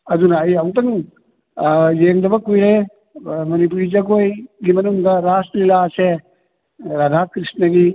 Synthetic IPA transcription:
ɐd̪unɐːjawtɐŋ | jeŋdɐbɐkujɾe | mɐnip̬uɾid͡ʒɐɡojɡimɐnuŋdɐɾaslilase | ɾad̪ʱakɾisnɐɡi

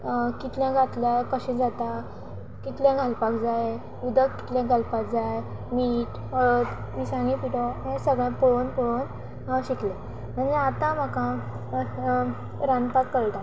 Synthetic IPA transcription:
kit̪ljãɡʱat̪lakəɕĩd͡zat̪a | kit̪ljãɡʱalpakd͡zaje | ud̪əkkːi̥t̪ljãɡʱalpakd͡zaj | miːʈ | əɭət̪ | misãŋɡĩpiʈɔɦɛ̃səɡɭjãpɔɭonpɔɽon | aɕiklja | m̤əɳd͡zeat̪ãm̤əkã | ɾãnpakːəɭt̪a

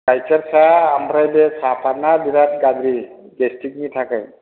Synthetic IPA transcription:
kajsaɾsaːmɾajbɛsapʰanadiɾat̪ɡad̪ɾi | ɡestik̚nitʰakaj

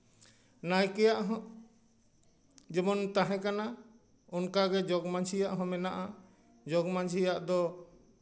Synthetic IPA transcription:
najkɛjaʔɦɔ̃ | d͡ʒɛmɔnt̪aɦɛ̃kana | ɔnkaɡɛd͡ʒɔɡmaɲd͡ʒijaʔɦɔ̃mɛnaʔa | d͡ʒɔɡmãɲd͡ʒʱijaʔd̪ɔ

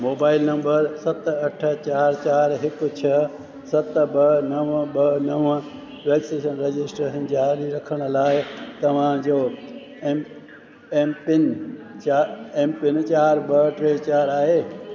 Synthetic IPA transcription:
moːbaːɪlnɐ̃mbəɾsɐt̪ɐʈʰət͡ɕaːɾt͡ɕaːɾɦɪkʊ̆t͡ɕʰɐ | sɐt̪ɓɐnɐʋɓɐnɐʋə | ʋɛːkseːʃənɾed͡ʑɪsʈɦɪn̆d͡ʑaaːliɾɐkʰəɽ̃ʊ̆laːɪt̪ɐʋ̤ãd͡ʑoː | eːmpɪn | t͡ɕaempɪnt͡ɕaːɾɓɐʈɾeːt͡ɕaːɾaːɦeː

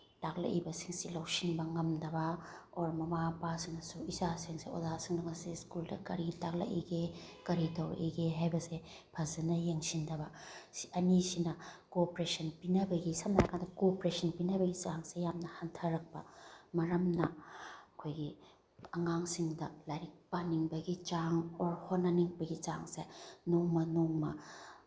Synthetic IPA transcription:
tak̚lɐ̰ʔibɐsiŋsilawsinbɐŋɐmdɐbɐoɾmɐmapasiŋnɐsuisasiŋseo̰dasiŋdɐŋɐseskuldɐ̰kɐɾitak̚lɐ̰ʔḭɡekɐɾitɐwʔḭɡeɦajbɐse | pʰɐzɐnɐjeŋsindɐbɐsɐnisinɐkopɾesɐnpinɐbɐɡisɐmnaɾakʰandɐkopɾesʰɐnpinɐbɐɡit͡ʃaŋsejamnɐhantʰɐɾɐk̚pɐ̰mɐɾɐmnɐɐkʰojɡi | ɐŋaŋsiŋdɐlajɾik̚pɐniŋbɐɡit͡ʃaŋoɾhonːɐniŋbɐɡit͡ʃaŋsenoŋmɐnoŋmɐ

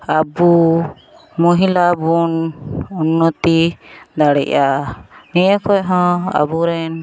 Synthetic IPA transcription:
abu | mɔɦilabununːɔt̪id̪aɽɛ̰ʔanijəkɔjɦɔ̃a̰buɾɛn

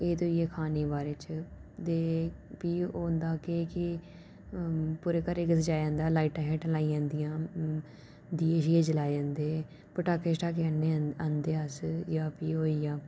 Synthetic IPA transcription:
eːt̪oːijeːkʰaːneːbaːɾeːt͡ʃt̪eːpiːoːnd̪aːkeːkɪ | puːɾeːkəɾeːkɪsd͡ʒaːd͡ʒãːnd̪aːlaːiːʈãːɦeːʈːlaːijãːnd̪ijãː | d̪iːeːʃiẽːd͡ʒəlaːed͡ʒãːnd̪eː | pəʈaːkeːsʈaːkenãːnd̪eːəsjaːpiːoːijãː

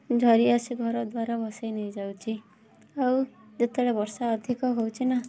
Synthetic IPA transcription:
d͡zʱʌɾiasiɡʱʌɾʌd̪waɾabʱʌsajnʌjd͡zawt͡sʰi | ʌw | d͡zʌt̪eɽabʌɾsaːd̪ʱikʌɦowt͡sʰinʌ

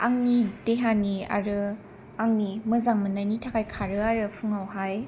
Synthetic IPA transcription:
a̰ŋnideɦania̰ɾɯ | aŋnimɯzaŋmɯnajnitʰakʰajkʰaɾɯaɾɯpʰɯŋawɦaj

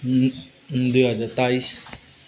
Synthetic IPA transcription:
d̪ujɦʌd͡zaɾt̪ajs

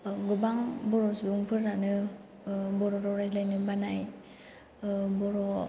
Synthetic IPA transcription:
ɡubaŋbɔɾɔsibɯŋpʰɯɾːanɯ | bɔɾɔɾɔɾajslajnɯbanaj | bɔɾɔ

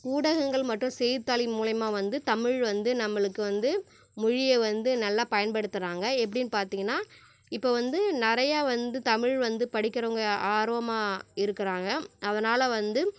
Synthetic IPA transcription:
kuːɽɐɣɐŋɡɐɭmɐʈːrʊ̃sɛjt̪ːaːlɪmuːlɐjɐmaːʋɐnd̪ɯt̪ɐmɪɻʋɐnd̪ɯnɐmːɐɭɯkːɯʋɐnd̪ɯ | mʊɻɪjɛʋɐnd̪ɯnɐlːaːpɐjɐnpɐɽɯt̪ːɯɾaːŋɡɐɛp̬ːɐɽɪnːpaːɾt̪iːŋɡɐnːaː | ɪpːoːʋɐnd̪ɯnɪɾɐjaːʋɐnd̪ɯt̪ɐmɪɻʋɐnd̪ɯpɐɽɪkʲːɪɾɐʋɐŋɡɐaːɾʋɐmaːɪɾɯkːɪɾaːŋɡɐɐðɐnaːlɐʋɐnd̪ɯ

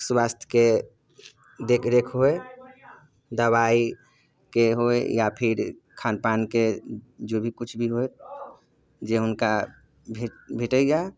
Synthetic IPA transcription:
sbast̪ʰke | d̪ekɾekʰɦoe | d̪əbai | keɦoejapʰiɾ | kʰanpanked͡ʒobʱikut͡ʃʰbʱiɦoet̪̚ | d͡ʒeɦʊnka | bʱebʱeʈəja

